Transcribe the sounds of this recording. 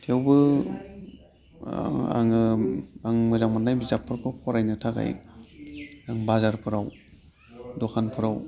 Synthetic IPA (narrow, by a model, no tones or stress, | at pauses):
tʰewbɯ | a̰ŋɯaŋmɯzaŋmanːajbizapʰːɯɾkʰɔkʰɔɾajnɯtʰaɡa̰j | aŋbazaɾpʰɯɾaw | dɔkʰanpʰɯɾaw